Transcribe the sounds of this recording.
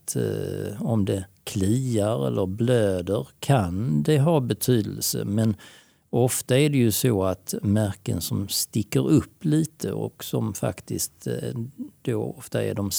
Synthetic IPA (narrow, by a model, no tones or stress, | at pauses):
t̪ | ɔmd̪ɛkʰliːaɾɛ̰lːəɾbløːd̪əɾkʰand̪ɛɦɑːbɛt̪ʰyːd̪əlsə̰mɛn | ɔft̪aæɖɛjɵsoːat̪mæɾkənsɔmst̪ɪkːəɾɵpːliːt̪ʰə̰ɔ̰ksɔmfa̰kt̪ɪst̪ | d̪̥oːɔft̪aæ̰ɖɔm